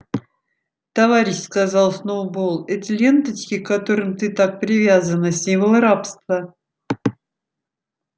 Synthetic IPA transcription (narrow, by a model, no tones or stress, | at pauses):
t̪ɐvaɾʲɪɕskɐzɑlˠsnovbolˠɛtʲɪlʲe̞nt̪ət͡ɕkʲɪkːɐt̪oɾɨmt̪ɨt̪ak̚pɾʲɪvʲazənəsʲimvəlˠɾapst̪və